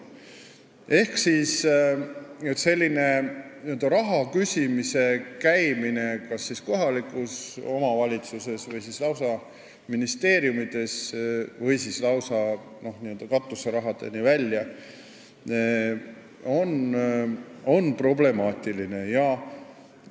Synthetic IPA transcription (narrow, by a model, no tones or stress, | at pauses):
e̞hksis | et̪se̞lʲːine̞niø̞ld̪̥ɑɾɑɦɑkysʲimise̞kæjmine̞kɑsːisko̞ɦɑlikːˑuso̞mɑvɑlʲit̪suse̞svɤjsislɑwsɑ | minist̪e̞ːɾjumid̪̥e̞svɤjsislɑwsɑ | no̞hniø̞ld̥̪ɑkɑt̪ːˑuseɾɑɦɑd̪̥ḛnivælʲjɑ | o̞n | o̞npro̞ble̞mɑːt̪iline̞jɑ